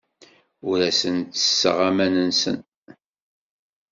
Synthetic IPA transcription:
ʊɾæsənt̪ːə̥sːə̰ʁamænənsə̰n

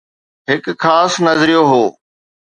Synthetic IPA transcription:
ɦɪkxaːsnɐzɾijoɦoː

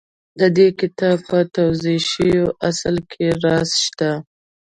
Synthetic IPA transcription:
d̪əd̪ekɪt̪ɑb̚pət̪awzeʃəjoʔaslkʰeɾɑsʃt̪a

